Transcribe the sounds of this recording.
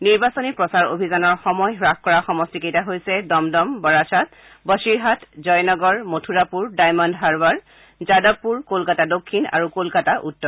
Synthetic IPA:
niɹbasonipɹɔsaɹo̰bʱizanɔɹxɔmɔjɦɹakkɔɹaxɔmɔstikejtaɦojsɛdɔmdɔmbɔɹasʰat̚ | bəsiɹɦatzɔjnɔɡɔɹmotʰuɹapuɹdajmɔndɦaɹbaɹ | zadɔbːuɹkolkatadokʰːina̰ɹukolkataʔutːɔ

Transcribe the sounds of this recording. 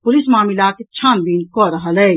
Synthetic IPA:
pʊlismaːmilaːket͡ʃʰãːnb̪iːnkɔɾɐɦalɛ

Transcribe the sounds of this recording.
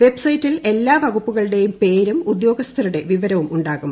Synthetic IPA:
ʋe̞bsɐjtːile̞lːaːʋɐɣupːuɣɐɭɨɽe̞jumpe̞ːɾumud̪jo̞ːɡɐst̪ʰɐɾuɽe̞ʋiʋɐɾɐʋumuɳɖaːɣum

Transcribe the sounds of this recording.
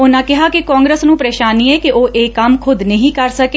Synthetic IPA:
ʊnãːkɪɦaːkikãːŋɡɾesnũːpɾeːʃaːniːɛːkiʔoːʔeːkːɐmkʰʊd̪nəɦĩːkəɾsəke

